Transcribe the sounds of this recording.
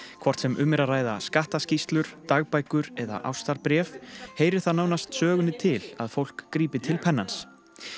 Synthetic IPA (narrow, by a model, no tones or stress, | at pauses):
kʰvɔr̥t̪sɛmʔʏmːɛɾaraːjðaskaht̪ascist̪lʏɾ̥t̪aɣpajkʏɾɛða̰ʔa̰wst̪aɾpɾjɛːfheːjɾɪɾ̥θaðnaːwnast̪sœːɣʏnɪt̪ʰɪlaðfowl̥kːɾiːpɪt̪ʰɪlpʰɛnːans